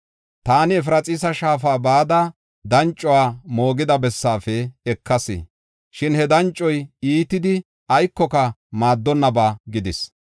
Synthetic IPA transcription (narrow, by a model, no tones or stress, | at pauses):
t̪aːnɪɛfɾɐt͡sʼɪsɐʃaːfaːbaːd̪ɐ | d̪ɐnt͡ʃʼːɔwaːmo̞ːɡɪd̪ɐbɛsːaːfɛɛkːɐsɪ̰ | ʃɪnhɛd̪ɐnt͡ʃʼːɔjiːt̪ɪd̪ɪ | ɐjkːɔkɐmaːd̪ːɔnːɐbaːɡɪd̪ɪs